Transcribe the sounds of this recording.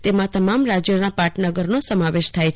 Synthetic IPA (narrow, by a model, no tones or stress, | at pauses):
t̪emãt̪əmamɾad͡ʒjənãpaʈʰnəɡəɾnosəmaʋeʃt̪ʰajt͡ʃʰ